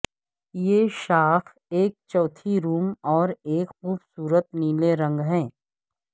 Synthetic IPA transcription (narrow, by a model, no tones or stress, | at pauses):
jeːʃaːx | eːk̚t͡ʃɔːt̪ʰiɾuːmɔːɾeːkxuːbsuːɾət̪̚niːleɾə̃ŋɡɦɛ̃ː